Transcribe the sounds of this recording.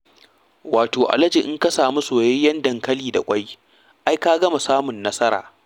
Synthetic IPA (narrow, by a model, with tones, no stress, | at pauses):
waː˨toː˨ʔa̰˨lɐ˦d͡ʒi˨ʔɪ˦ŋkɐ˦saː˨mu˦soː˨jɛ˦jɐ˦ndɐ˨ŋkɐ˦liː˨da̰˨kʷʼa˦j | ʔa˦jkaː˦ɡɐ˦ma˨saː˦mʊ˨nːɐ˦sɐ˦ɾa̰ː˨